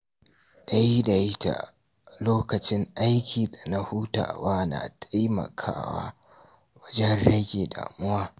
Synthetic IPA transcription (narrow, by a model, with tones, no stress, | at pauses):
ɗɐ˦ji˦da˨jɪ˦ta̰˨ | loː˦kɐ˨t͡ʃɪ˦ŋʔa˦jkʲʰiː˨da˨na˦hu˦ta̰ː˨waː˦na̰˨tʰa˦jmɐ̰˨kʰa̰ː˦wa̰ː˦ | wɐ˦d͡ʒɛ˦nɽɐ˦ɡʲeː˨da̰ː˨mʊ˦waː˦